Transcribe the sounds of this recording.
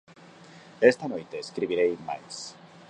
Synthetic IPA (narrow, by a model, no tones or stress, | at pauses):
est̪anojt̪eːskɾiβiɾejma̰js